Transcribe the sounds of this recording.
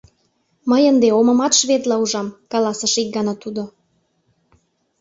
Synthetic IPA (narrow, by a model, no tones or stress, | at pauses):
məjənd̪eomə̆mɑt̪ʃβet̪lɑuʒɑmkɑlɑsəʃik̚ɡɑnɑt̪ud̪o